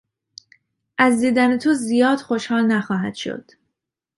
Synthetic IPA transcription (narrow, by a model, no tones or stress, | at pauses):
ʔæzd̪iːd̪ænet̪ʰozijɒːd̪̥xo̞ʃhɒːlnæxɒːɦæd̪̥ʃo̰d̪̥